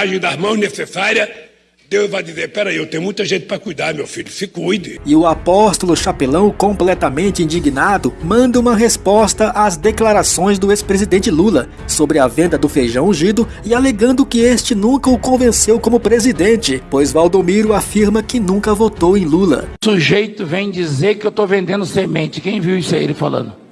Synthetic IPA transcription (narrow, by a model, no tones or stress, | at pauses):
aʒẽj̃d̪ɐzmɐ̃w̃znesesaɾiɐ | d̪ewvajd̪izeɾpɛɾɐewt̪ẽj̃mũj̃t̪ɐʒẽjt̪ɪ̥pɾɐkujd̪aɾmewfiʎʊ̥sɪkujd̪ɪɪʊapɔst̪ʊlʊʃapelɐ̃w̃kõmplɛt̪ɐmẽnt͡ʃɪĩnd͡ʒiɡnad̪ʊmɐ̃nd̪ɐũmɐɦespɔst̪ɐʔazd̪eklaɾasõj̃zd̪ʊespɾezid̪ẽnt͡ʃɪlulɐ | sobɾɪɐvẽnd̪ɐd̪ʊfejʒɐ̃w̃ũʒid̪ʊ | ɪaleɡɐ̃nd̪ʊkɪest͡ʃɪnũkɐʊkõvẽsewkõmʊpɾezid̪ẽnt͡ʃɪpojzvawd̪omiɾʊafiɾmɐkɪnũkɐvot̪owẽj̃lulɐ̰suʒejt̪ʊvẽj̃d͡ʒizeɾkɪewt̪ovẽnd̪ẽnd̪ʊsemẽnt͡ʃɪ̥kẽj̃viwisa̰ḭlɪfa̰lɐ̰̃nd̪ʊ